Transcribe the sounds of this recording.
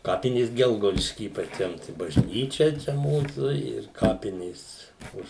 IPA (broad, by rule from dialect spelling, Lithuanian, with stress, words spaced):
ˈkɑːpʲɪnʲeːs ˈɡʲɛlˠɡɐʊdʲɪʃʲkʲiː ɪ pɐˈt͡ʃʲɛm tɐɪ bɐʒʲˈnʲiːt͡ʃʲɛ ˈt͡ʃʲɛ ˈmuːsuː ɪr ˈkɑːpʲɪnʲeːs ˈʊʃ